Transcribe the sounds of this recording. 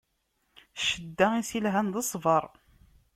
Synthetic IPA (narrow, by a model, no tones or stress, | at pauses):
ʃəd̪ːæisilɦænðəsˤvəɾˤ